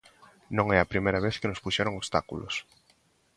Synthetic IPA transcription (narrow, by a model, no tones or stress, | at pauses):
nõŋɛɐpɾimejɾaβ̞eθkenospuʃɛɾoŋoβst̪akṵlo̰s